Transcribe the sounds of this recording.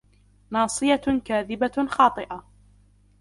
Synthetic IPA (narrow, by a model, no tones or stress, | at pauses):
nɑːsˤɨjakaːðɪbaxɑːt̪ˤɨʔa